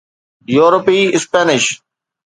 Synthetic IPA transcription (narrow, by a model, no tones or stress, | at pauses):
juːɾopiːɪspɛːnɪʃ